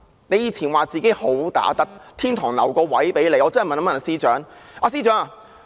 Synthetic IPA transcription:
ne˨˧jiː˨˧t͡sʰiː˨˩nwaː˨t͡siː˨˩ke˨˥jho˨˥wt̪a̰ː˨˥t̪ɐ˥k̚t̪ʰiː˥nt̪ʰɔː˨˩ŋlɐ̰˨˩wkɔː˧wɐ˨˥jpe˨˥jne˨˧jɔː˨˧t͡sɐ˥˨˩jmɐ˨na˨˧mɐ˨˩na˨˧siː˥t͡ʃœː˨˥ŋʔaː˨˧s̬iː˥t͡ʃœː˨˥ŋa˨

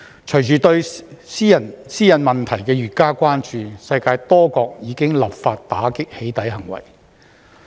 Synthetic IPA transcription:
t͡ʃʰɵ˨˩ɥt͡ʃyː˨˩t̪ɵ˧ɥsiː˥jɐ˨˩nsiː˥jɐ˨˩nmɐ˨˩nt̪ʰɐ˨˩jkɛː˧jyː˨˩t̚kaː˥kʷaː˥nt͡ʃyː˧sɐ˧jkaː˧jt̪ɔː˥kɔː˧k̚jiː˨˧kɪ˥ŋlɐ˨p̚faː˧t̚t̪aː˨˥kɪ˥k̚he˨˥jt̪ɐ˨˥jɦɐ˨˩ŋwɐ̰˨˩j

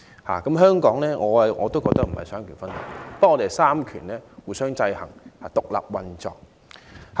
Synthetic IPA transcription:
ha̰ː˨˩kɐ˨˥mɦœː˥ŋkɔː˨˥ŋlɛː˥ŋɔː˨˧˨ŋɔː˨˧t̪o˥wkɔː˧kt̪ɐ˥k̚m̩˨˩hɐ̰˨jsœː˨˥ŋkʰyː˨˩nfɐ˥nhʊ˨˥˩kɛ̰˧pɐ˥ɔ˨˧t̪e˨saː˥mkʰyː˨˩nɛː˥wuː˨˧jsœː˥ŋt͡sɐ˧jhɐ˨˩ŋha̰ː˨˩t̪ʊ˨k̚la̰ː˨p̚wɐ˧nt͡sɔ̰ː˨k̚ | h

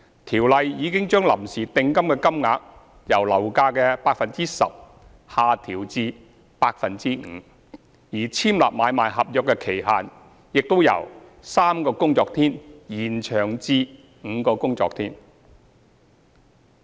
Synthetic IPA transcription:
t̪ʰiː˨˩wlɐ˨jjiː˨˧kɪ˥ŋt͡ʃœː˥ŋlɐ˨˩msiː˨˩t̪ɪ˧ŋkɐ˥mkɛ˧kɐ˥mŋaː˨˧k̚ | jɐ˨˩wlɐ˨˩wkaː˧kɛː˧paː˧k̚fɐ˨nt͡siː˥sɐ̰˨p̚ | haː˨˧t̪ʰiː˨˩wt͡siː˧ | paː˧k̚fɐ˨nt͡siː˥ŋ̩ː˨˧ | jiː˨˩t͡sʰiː˥mla̰ː˨˩p̚maː˨˧jmaː˨jɦɐ˨p̚jœ˨kːɛː˧kʰe˨˩jɦaː˨n | jɪ˨k̚t̪o˥wjɐ̰˨˩wsaː˥mkɔː˧kʊ˥ŋt͡sɔː˧k̚t̪ʰiː˥njiː˨˩nt͡ʃʰœː˨˩ŋt͡siː˧ | ŋ̩˨˧kɔː˧kʊ˥ŋt͡sɔ̰ː˨k̚t̪ʰiː˥n

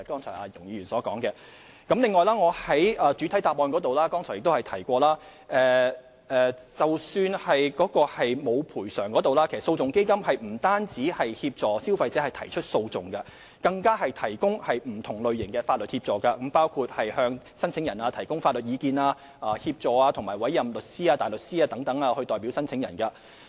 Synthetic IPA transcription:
kɔː˥ŋt͡sʰɔ̰˨˩ʔaː˨˧jʊ˨˩ŋjiː˧jyː˨˩nsɔː˨˥kɔ̰ː˨˥ŋkɛ˧ | kɐ˨˥mlɪ˨ŋːɔː˨jlaː˥ŋɔː˨˧hɐ˨˥jɐː˨t͡syː˨˥t̪ʰɐ˨˥jt̪aː˨p̚ɔː˨˧nkɔː˨˥t̪o˨wlaː˥kɔː˥ŋtʰɔ˨˩jɪ˨k̚t̪whɐ˨jt̪ʰɐ˨˩jkʷɔː˧laː˥ | ʔɛː˨˩ | ɛː˨t͡sɐ˨wsyː˧nhɐ˨jkɔː˨˥kɔː˧hɐ˨jmo˨˧wpʰuː˨˩jsœː˨˩ŋkɔː˨˥t̪o˨wlaː˥ke˨˩sso˧wt͡sʊ˨ŋke˥jkɐ˥mhɐ˨jm̩˨˩t̪aː˥nt͡siː˨˥hɐ˨jhiː˧p̚t͡sɔː˨si˥wfɐ˧jt͡sɛː˨˥hɐ˨jt̪ʰɐ˨˩jt͡ʃʰɵ˥t̚so˧wt͡sʊ˨ŋkɐ˧ | kɐ˧ŋkaː˥ɦɐ˨jt̪ʰɐ˨˩jkʊ˥ŋhɐ˨jm̩˨˩t̪ʰʊ˨˩ŋlɵ˨ɥjɪ˨˩ŋkɛː˧faː˧t̚lɵ˨t̚hiː˧p̚t͡sɔː˨˩kɐ˧kɐ˨˥mpaː˥wkʰuː˧t̚hɐ˨jhœː˧ŋ | sɐ˥nt͡sʰɪ˨˥ŋjɐ˨˩naː˧t̪ʰɐ˨˩jkʊ˥ŋfaː˧t̚lɵ˨t̚iː˨˧kiː˧naː˧ | ʔaː˨hiː˧p̚t͡sɔː˨˩aː˧t̪ʰʊ˨˩ŋmaː˨˩wɐ˨˥jɐ˨mlɵ˨t̚siː˥aː˧t̪aː˨jlɵ˨t̚siː˥aː˧t̪ɐ˨˥ŋt̪ɐ˨˥ŋaː˧hɵ˧ɥt̪ɔː˨jpi˨˥wsɐ˥nt͡sʰɪ˨˥ŋjɐ̰˨˩nkɐ˧

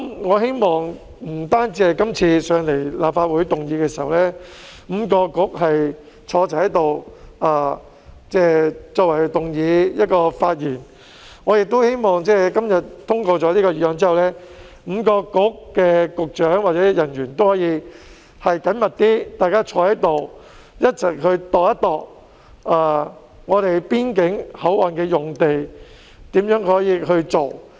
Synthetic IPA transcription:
mŋɔː˨˧ɦe˥jmɔː˨ŋ | m̩˨˩t̪aː˥nt͡siː˧hɐ˨˩jkɐ˥mt͡sʰiː˧sœː˨˧ŋle˨˩jlaː˨p̚faː˧t̚wu˨˥jt̪ʊ˨ŋjiː˨˧kɛː˧si̥ː˨˩hɐ˨wlɛː˥ | m̩˨˧kɔː˧kʊ˨˥k̚ɦɐ˨j | t͡ʃʰɔː˨˧t͡sɐ˨˩hɐ˨˥jt̪o˨waː˨˧ | t͡sɛː˥˩t͡sɔː˧wɐ˨˩jt̪ʊ˨ŋjiː˨˧jɐ˥t̚kɔː˧faː˧t̚jiː˨˩n | ŋɔː˨˧jɪ˨k̚t̪o˥whe˥jmɔː˨ŋt͡sɛː˥˩kɐ˥mjɐ˨t̚t̪ʰːʊ˥ŋkɔː˧t͡sɔː˨˥liː˥kɔː˧jyː˧˥ɔː˨˧ŋt͡siː˥hɐ˨wlɛː˥ | m̩˨˧kɔː˧kʊ˥k̚kɛː˧kʊ˨k̚t͡ʃœː˨˥ŋwaː˨t̚t͡sɛː˨˥jɐ˨˩nɥyː˨˩nt̪o˥whɔː˨˥jiː˨˧ | hɐ˨jkɐ˨˥nmɐ˨t̚t̪iː˥t̪aː˨jkaː˥t͡ʃʰɔː˨˧˥hɐ˨˥jt̪o˨w | jɐ˥t̚t͡sɐ˨˩kɦɵ˧ɥt̪ɔː˨˩kjɐ˥t̪̚ɔː˨k̚ | aː˨˩ | ŋɔː˨˧t̪e˨jpiː˥nkɪ˨˥ŋhɐ˨˥wʔa˨nkɛː˧jʊ˨ŋt̪e˨j | t̪iː˨˥mjœː˨˥ŋhɔː˨˥jiː˨˧ɦɵ˧ɥt͡so˨w

